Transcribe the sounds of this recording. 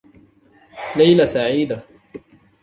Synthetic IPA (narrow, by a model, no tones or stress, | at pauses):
lajlasaʕiːd̪a